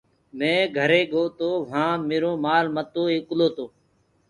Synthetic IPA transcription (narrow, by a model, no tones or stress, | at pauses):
mẽːɡʱəɾeːɠoːt̪oːʋ̤ãːmeːɾõːmaːlmət̪oːeːkloːt̪oː